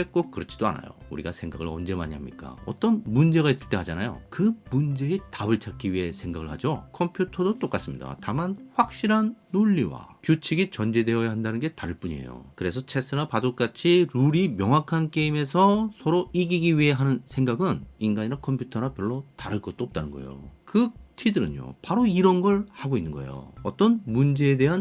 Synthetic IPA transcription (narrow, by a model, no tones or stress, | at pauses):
ek͈okɯɾʌt͡ɕʰi̥d̥oa̰na̰jo̰uɾiɡasʰe̞ŋɡaɡɯɭʌ̰nd͡ʑe̞ma̰ɲiɦamɲḭk͈a̰ʌt͈ʌnmund͡ʑe̞ɣais͈ɯɭt͈e̞ɦad͡ʑanajo̰kɯmund͡ʑe̞etabɯɭt͡ɕʰak͈iɥie̞sʰe̞ŋɡaɡɯɭhad͡ʑokʰʌmpʰjutʰʌdot͈ok͈as͈ɯmɲida̰tamanɸwak̚ɕ͈iɾɦanːoʎːiwa̰kjut͡ɕʰiɡit͡ɕʌnd͡ʑe̞de̞ʌjaɦandanɯnɡe̞taɾɯɭp͈uɲiḛjo̰kɯɾe̞sʰʌt͡ɕʰe̞s͈ʰɯɾapadok͈at͡ɕʰiɾuɾimjʌŋɦwakʰank͈e̞ime̞sʰʌsʰʌɾoiɡiɡiɥiɦe̞ɦanɯnsʰeŋɡaɡɯninɡaɲiɾakʰʌmpʰjutʰʌɾapjʌɭːotaɾɯɭk͈ʌt̚t͈oʌp̚t͈anɯnɡʌḛjo̰kɯtʰidɯɾɯɲo̰paɾoiɾʌnɡʌɭhaɡoinːɯnŋɡʌ̰ḛjo̰ʌt͈ʌnmund͡ʑe̞ːde̞ɦan